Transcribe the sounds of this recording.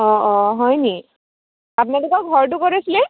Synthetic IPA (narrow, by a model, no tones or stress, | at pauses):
ɔɔɦɔjni | ap̬unɛdukaɡʱɔɹt̬ʊkoɹisilɛ